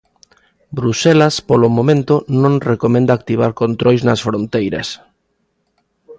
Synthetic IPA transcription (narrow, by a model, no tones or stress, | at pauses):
bɾusɛlaspolomõmẽnt̪onõŋrekomẽnd̪aːk̚t̪iβ̞aɾkont̪ɾojznɐsfɾont̪ejɾɐ̰s